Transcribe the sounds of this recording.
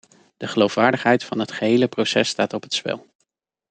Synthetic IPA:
d̥əχəlowfʋaːɹdəχɦɛjtfɑnɦətχəɦejləprowsɛstaːtɔpɦətspɛ̰lˠ

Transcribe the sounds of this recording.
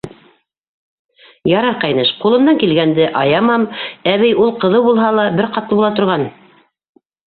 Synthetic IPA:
jɑɾɑɾqɑjnɤʃqulˠɤ̆md̪ɑŋkilɡænd̪ɘʔɑjɑmɑmæβɘjulˠqɤ̆ðɤwbulˠɦɑlˠɑbɘɾqɑt̪lˠɤbulˠɑt̪ŏɾʁɑn

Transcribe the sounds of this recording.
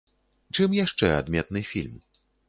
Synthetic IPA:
t͡ʂɨmjaʂt͡ʂɛa̰d̪mʲɛt̪̚nɨfʲilʲm

